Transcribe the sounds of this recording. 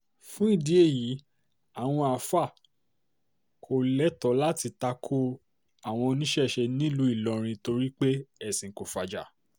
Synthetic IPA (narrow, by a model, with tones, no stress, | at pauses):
fũ˦i˦˨di˨˦e˦˨ji˨˦ | a˨w̃ɔ̃˧a˨fa˦˨ | kʰo˨lɛ˨˦tɔ˨˦la˦ti˧ta˧kʰo˦ | a˦˨w̃ɔ̃˧nĩ˦ʃɛ˦˨ʃe˧nĩ˦˨lu˧˦i˦˨lɔ˨˧ɾ̃ĩ˧to˧ɾi˦k͡pe˦ɛ˦˨sĩ˨ko˨fa˨d͡ʒa̰˨